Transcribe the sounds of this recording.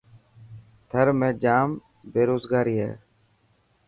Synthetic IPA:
t̪ʰəɾmẽːd͡ʒaːm | beːɾoːzɡaːɾiːɦɛ̰ː

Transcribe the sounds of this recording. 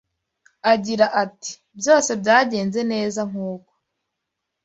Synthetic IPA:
aɟiɾaʔati̥ | bjo̞ːse̞bjaːɟe̞ːnze̞ne̞ːzaŋ̥uːko

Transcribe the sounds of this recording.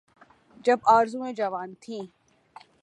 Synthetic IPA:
d͡ʒɐbaːɾzũẽd͡ʒɐʋaːnt̪ʰĩː

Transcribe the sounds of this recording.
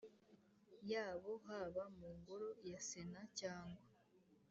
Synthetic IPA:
jaːβo̞ɦaːβamuːŋɡoɾo̞jasenacaːŋɡwa

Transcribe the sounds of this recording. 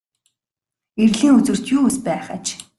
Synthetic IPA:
erɮiːŋut͡sɵ̆r̥t̪juːspæːχət͡ɕ

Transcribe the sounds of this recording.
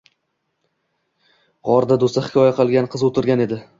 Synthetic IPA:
ʁɒɾd̪ad̪ost̪ahɪ̥kʲɒjaqʰɨlˠɡʲanqʰɨzot̪ʰɪɾɡʲane̞d̪ɪ

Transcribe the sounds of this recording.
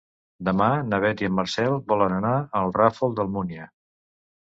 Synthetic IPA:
d̪əmanəβɛt̪iəmːəɾsɛlˠbɔlənənaəlˠrafolˠd̪əlˠmuniə

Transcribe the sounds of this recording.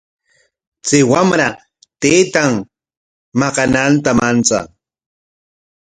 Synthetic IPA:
t͡sɪwamɾa | t̪ejt̪aŋ | mɑqɑnant̪amant͡sa̰

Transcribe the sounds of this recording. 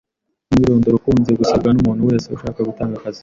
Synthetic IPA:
iɾo̞ːndoɾukuːnze̞ɡusaβɡanumuːnhuweeseṵʃaːkaɡutaːŋɡakazi̥

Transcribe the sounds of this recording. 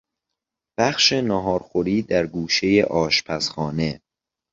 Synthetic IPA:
b̥æxʃe̞nɒːɦɒːɾxoɾiːd̪æɾɡuːʃe̞jeʔɒːʃpʰæsxɒːne̞

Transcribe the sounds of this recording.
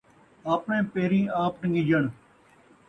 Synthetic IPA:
aːpnẽːpeːɾĩːaːp̚nəŋɡiːd͡ʒəɳ

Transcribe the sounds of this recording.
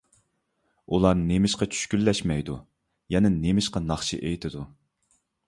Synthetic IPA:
ulˠɑɾnemɪʃqɑt͡ʃʰy̥ʃkʲylːɛʃmɛjd̪u | jɛnɪnemɪʃqɑnɑχt͡ʃʰḭʔejt̪ʰɪd̪u

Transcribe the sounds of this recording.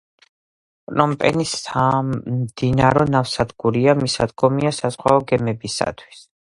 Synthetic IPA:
pʼnɔmpʼɛ̰nisamd̪̥inaɾɔnafsad̪ɡuɾiamisad̪ɡɔmiasazʁwaɔɡɛmɛbisa̰t̪ʰwi̥s

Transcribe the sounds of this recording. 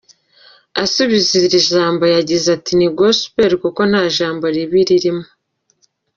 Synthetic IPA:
asuβiziɾiʒaːmbajaɟizatiniɡosu̥peɾkuko̞n̥haːʒaːmboɾiβiɾiɾimo

